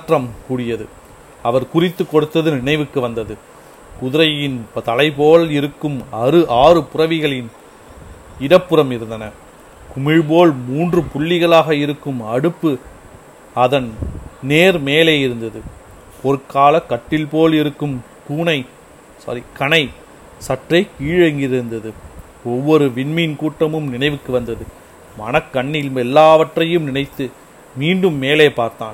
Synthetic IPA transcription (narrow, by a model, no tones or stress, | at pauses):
ʈrɐmkuːɽɪjɐðɯ | ɐʋɐɾkʊrɪt̪ːɯkːɔɽɯt̪ːɐðɯnɪɳɐɪʋɯkːɯʋɐnd̪ɐðɯ | kʊðɪɾɐjɪnpt̪ɐlɐɪpoːlɪɾɯkːɯmɐɾɯʔaːrɯpʊrɐʋɪɣɐɭɪn | ɪɽɐpːɯɾɐmɪɾɯnd̪ɐnɐ | kʊmɪɻboːɭmuːndrɯpʊɭːɪɣɐɭaːɣɐɪɾɯkːɯmɐɽɯpːɯ | ɐðɐnneːɾmeːleːɪɾɯnd̪ɐðɯ | pɔɾɯkːaːlɐkːɐʈːɪlpoːlɪɾɯkːɯm | kuːnɐɪ | sɐ̰ɾikɐɳɐɪ | sɐʈrɐɪkiːɻɐŋɡɪɾnd̪ɐðɯ | ɔʋːɔɾɯʋɪɳminkuːʈːɐmɯmnɪnɐɪʋɯkːɯʋɐnd̪ɐðɯ | mɐnɐkːɐɳːɪlmɛlːaːʋɐʈrɐjɯmnɪnɐɪt̪ːɯ | miːɳɖɯmːeːleːpaːɾt̪a̰ːn